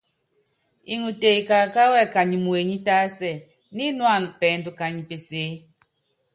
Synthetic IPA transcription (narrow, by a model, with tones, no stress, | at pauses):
i˨ŋu˨te˨i˨ka˨ka˦wɛ˦˨ka˨ɲi˨mu˨e˨ɲi˦ta˦sɛ˦˨ | ni˦nwa˦˨n˨pɛː˨˦n˦du˨ka˨ɲi˨pe˨seː˨˦